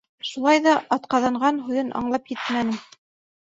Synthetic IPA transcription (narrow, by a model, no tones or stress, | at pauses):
ʃulˠɑjðɑʔɑt̪qɑðɑɴɢɑnɦujɤnʔɑ̰ɴlˠɑpjɘt̪mænɘ